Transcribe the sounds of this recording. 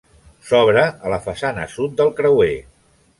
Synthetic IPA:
sɔβɾəːləfəsanə̰sut̪̚d̪əlˠkɾəwe

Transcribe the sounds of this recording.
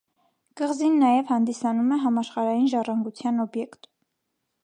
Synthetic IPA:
ɡ̥əʁzinːɑjɛvhɑnd̪isɑnumɛɦɑmɑʃχɑɾɑjinʒɑrɑŋɡut͡sʰjɑnɔbjɛkt̪

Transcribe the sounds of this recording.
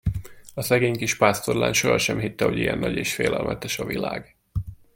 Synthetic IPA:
ɒsɛɡeːɲkiʃpaːst̪o̞rlaːnʃo̞ɦɒʃɛmɦit̪ːɛho̞ɟijɛ̰nːɒɟeːʃfeːlʔɛlmʔɛt̪ɛʃɒvilaːɡ

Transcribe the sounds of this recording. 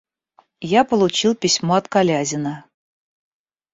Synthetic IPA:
japolˠut͡ɕilˠpʲisʲmoɑt̪kalʲazʲɪnə

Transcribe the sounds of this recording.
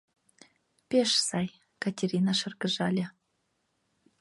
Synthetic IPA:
pʲeʃsɑj | katʲerʲinɑʃɤ̆rɡɤ̆ʒɑlʲĕ

